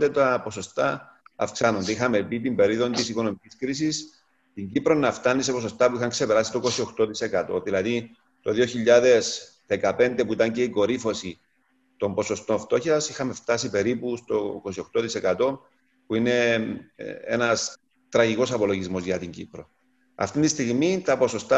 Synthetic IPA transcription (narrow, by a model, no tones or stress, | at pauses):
d̪et̪ɐpo̞so̞st̪ɐːfksɐno̞nd̪eixɐme̞pit̪imbe̞ɾiðo̞nt̪isiko̞no̞miciskɾisis | t̪iɲɟipɾo̞nːɐft̪ɐnːisepo̞so̞st̪ɐpuixɐŋkse̞pe̞ɾɐsi̥t̪oko̞sio̞xt̪o̞t̪ise̞kɐt̪o̞ðilɐði | t̪o̞ðio̞çiʎːaðe̞s | ðekɐpe̞nd̪epuit̪ɐɲce̞iko̞ɾifo̞si | t̪o̞mbo̞so̞st̪o̞ɱft̪o̞çɐsixɐme̞ft̪ɐsipe̞ɾipust̪o̞ko̞sio̞xt̪o̞t̪ise̞kɐt̪o̞ | puine̞ | ḛnɐs | t̪ɾɐʝiko̞sɐpo̞lo̞ʝizmo̞zʝɐt̪iɲɟḭpɾo̞̰ | ɐ̰ft̪int̪ist̪iɣmit̪ɐpo̞so̞st̪a